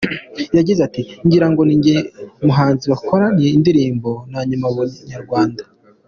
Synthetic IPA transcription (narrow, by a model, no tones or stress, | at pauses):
jaɟizatiɲɟiɾaŋɡo̞niɲemuɦaːnziwakʰoɾanieindiɾiːmbo̞naɲumaβuɲaɾɡwaːnda